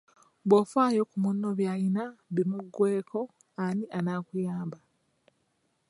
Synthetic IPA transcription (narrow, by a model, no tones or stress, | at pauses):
βwofwaːjokumunːoβjajinaβimuɡːwe̞ːkʰo̞ | aniʔanaːkujaːmba